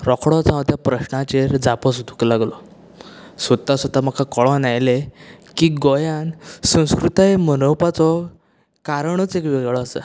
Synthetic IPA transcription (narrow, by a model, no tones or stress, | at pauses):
ɾɔkʰɽɔt͡sãʋt̪japɾəɕnãt͡ɕeɾd͡zapɔs̬ud̪ʱu̥klaɡlɔ | sət̪ːasəd̪ʱam̤akʰakɔɭɔ̃najlekiɡɔjansə̃w̃skɾut̪aemənəwpat͡sɔ | kaɾɳət͡sekʋeɡɭɔasə̰